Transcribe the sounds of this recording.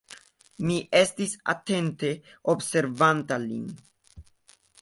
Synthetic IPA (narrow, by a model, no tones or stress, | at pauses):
miʔest̪isa̰t̪e̞nt̪e̞ | obse̞ɾvant̪alḭn